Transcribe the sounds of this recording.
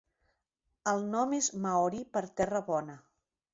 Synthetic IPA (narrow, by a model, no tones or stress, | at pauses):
əlˠnɔmezmaɔɾipəɾt̪ɛrəβɔnə